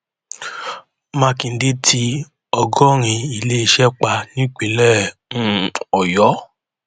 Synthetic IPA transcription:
mã˦˧kĩ˨n̩˦de˦tʰi˧ | ɔ˧ɡɔ˦ɾ̃ĩ˧i˨le˦˧ʃɛ˦k͡pa˧nĩ˦k͡pe˨˦lɛ˦˨ũ˦ɔ˨jɔ˨˦

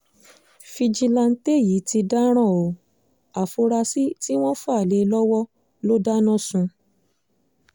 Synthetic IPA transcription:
fi˧d͡ʒi˧lã˧n̩˦te˦˨ji˨˦ti˧da˦ɾ̃ã˦˨o˨˦ | a˨fo˧ɾa˧si˦ti˦w̃ɔ̃˦fa˦˨le˧˦lɔ˦wɔ˦ | lo˦da˦nã˦˨sũ˧

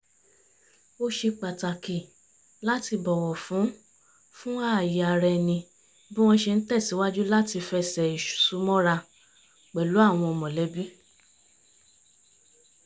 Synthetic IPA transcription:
o˧ʃe˧k͡pa˨ta˨ki˨ | la˦ti˧bɔ˨wɔ˨fũ˨˦ | fũ˦a˦˨ji˨a˨ɾɛ˧˨nĩ˧ | bĩ˦w̃ɔ̃˧ʃe˧n̩˦tɛ˦˨si˨˦wa˦d͡ʒu˦la˦ti˧fɛ˧sɛ˨i˨ʃu̥˨su˨˦mɔ̃˦ɾa˧ | k͡pɛ˨lu˨˦a˦˨w̃ɔ̃˧ɔ˧mɔ̃˨lɛ˨˦bi˦

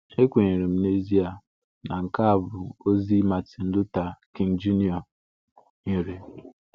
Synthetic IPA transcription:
e˦kʷe˨ɲi˨ɾe˨m̩˨˦ne˦zi˦a˨ | na˨ŋ̩˨ka˦a˨bʊ˨o˦zi˦ma˨ti˨n̩˦dʊ˦ta˨ki˨n˨d͡ʒi˦ni˦ɔ˨ | ɲi˨ɾe˨

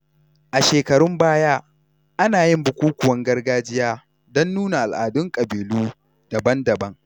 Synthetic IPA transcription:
ʔa˨ʃeː˨kɐ˨ɽʊ˦mbaː˦jaː˦ | ʔa˦naː˨jɪ˦mbʊ˨kʷuː˦kʷʊ˨wɐ˦ŋɡɐ˦rɡaː˦d͡ʒɪ˦jaː˦ | dɔ˦nːuː˦na˨ʔa˨lʔaː˨dʊ˦ŋkʼɐ˨biː˨luː˦ | d̥ɐ˨bɐ˦ndɐ˨bɐ˦ŋ

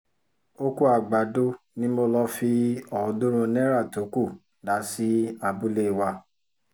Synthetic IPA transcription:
o˦ku˦a˨ɡ͡ba˨do˦ | nĩ˦mo˧lɔ˧fi˧ɔ˨˧dũ˦ɾ̃ũ˧nɛ̃˦ɾa˦˨to˨˦ku˦˨ | da˨˦si˦a˧bu˦le˦i˨wa˧

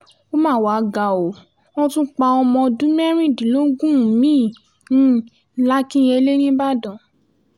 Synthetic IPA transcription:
o˦mãː˦˨wa˨˦ɡa˨o˨ | ɔ̃˦tũ˦k͡pa˧ɔ˧mɔ̃˧dũ˦mɛ˦ɾ̃ĩ˦˨dĩ˨˦lo˦ɡũ˦˨mĩː˦˨ | nĩ˦ | la˦kĩ˦je˧le˦nĩ˦ba˦dɔ̃˨

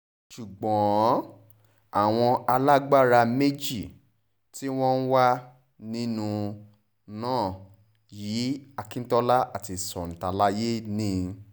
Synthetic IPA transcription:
ʃu˨ɡ͡bɔ̃˨˦ | a˨w̃ɔ̃˧a˧la˦ɡ͡ba˦˨ɾa˧me˦d͡ʒi˦˨ | ti˦w̃ɔ̃˦n̩˦wa˦ | nĩ˦nũ˧ | nãː˦˨ | ji˨˦a˧kĩ˦n̩˦tɔ˦la˦ʔa˦˨ti˧˨sɔ̰˨n̩˨ta˧la˦je˦nĩ˦˨

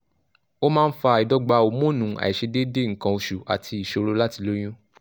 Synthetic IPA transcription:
o˦mãː˦˧n̩˦fa˧˨i˨dɔ˦ɡ͡ba˧o˨mũ˦˨nũ˨˦a̰˨i˨ʃe˧de˦de˦˨ŋ̩˨kã˧o˧ʃu˨a̰˨tʰi˧i˨ʃo˧ɾo˦la˦ti˧lo˦j̃ũ˦

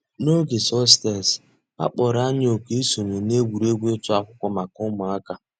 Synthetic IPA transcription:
no˦ɡe˨sɔ˦ste˨s | a̰˦k͡pɔ˨ɾa˦ɲ˦o˨ke˦e˦so˨ɲo˨ne˦ɡʷu˨ɾe˦ɡʷe˦tʊ˦a˨kʷʊ˦kʷɔ˦ma˨kʊ˦mʊ˨a˦ka˦

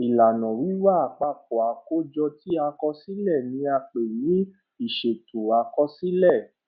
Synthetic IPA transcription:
i˨la˨nɔ̃˨wi˨˦wa˦˨a˨k͡pa˦˨k̚ɔ˨a˨ko˦d͡ʒɔ˧ti˦a˧kɔ˧si˦lɛ˦˨nĩ˧˦a˧k͡pe˨ji˨˦ | i˦˨ʃe˨tu˨a˧kɔ˧si˦lɛ˦˨

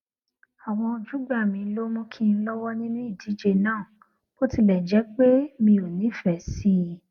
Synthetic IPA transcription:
a˨w̃ɔ̃˧o˧d͡ʒu˨˦ɡ͡ba˦˨mĩ˨˧˦lo˦mɔ̃˧kʰĩ˧n̩˦lɔ˦wɔ˦nĩ˦nũ˦i˦˨di˨˦d͡ʒe˧nãː˦˨ | ko˦ti˧lɛ˨d͡ʒɛ˨˦k͡pe˦mĩ˧o˨nĩ˨˦˨fɛ˨si˦

